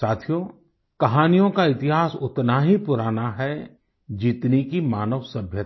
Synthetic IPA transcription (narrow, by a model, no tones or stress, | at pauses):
saːt̪ʰijo | kɐɦaːnijõkaɪt̪ɪɦaːsʊt̪naɦipʊɾaːnaɦɛ | d͡ʒɪt̪nikimaːnəʋsɐbʱjət̪